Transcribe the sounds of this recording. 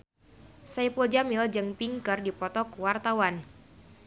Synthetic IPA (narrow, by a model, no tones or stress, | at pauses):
saipuld͡ʒamild͡ʒɨŋpiŋkərdipɔt̪ɔkuwart̪awan